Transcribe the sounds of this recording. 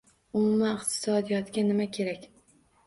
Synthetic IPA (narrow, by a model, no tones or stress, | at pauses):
ʊmumaɪqt̪ʰɪ̥sɒd̪ijɒt̪ɡʲanɪmakʲʰe̞ɾakʲ